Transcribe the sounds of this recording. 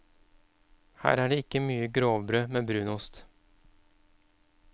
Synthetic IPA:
hæ̰ːɾæːɖeːɪkəmyːəɡɾoːʋbɾøːmeːbɾʉːnʊst̪

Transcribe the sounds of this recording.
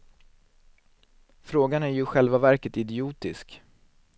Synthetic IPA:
fɾoːɡanæɾjɵɧɛlvavæɾkət̪ɪd̪ɪuːt̪ɪ̰sk

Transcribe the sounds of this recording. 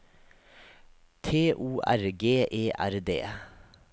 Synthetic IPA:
t̪ʰeːʔuːʔæ̰ɾɡeːʔeːʔæɾd̪ḛː

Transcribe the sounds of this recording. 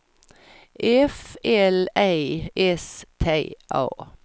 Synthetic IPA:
ʔɛfɛlæɪʔɛst̪ʰeɪʔɑ̰ː

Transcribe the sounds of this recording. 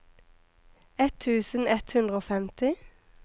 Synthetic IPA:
ɛt̪ʰːʉːsən̩ɛt̪hʉnd̪ʁəoːfɛmt̪ɪ

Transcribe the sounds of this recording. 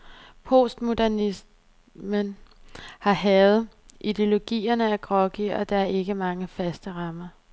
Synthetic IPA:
pʰo̝̰sd̥mo̝d̥æɐnis | mən | hɑ̈ɦɛːð̞̩ˠ | id̥e̝o̝lo̝ɡ̥ḭːɐnəæɡ̥ʁɒ̽ɡ̥iɒ̽d̥ɑ̈æɐʔe̝ɡ̥əmɑ̈ŋəfæsd̥əʁɑ̈mɐ

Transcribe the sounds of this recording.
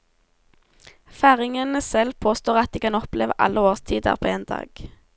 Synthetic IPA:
fæːʁɪŋənəsɛlpʰoːst̪oːʁɑt̪̚d̪iːkɑnɔpleːʋə̰ʔɑ̰lʔəoːʁst̪ʰiːd̪ə̰ʁpʰoːeːnd̪ɑ̰ːɡ̥

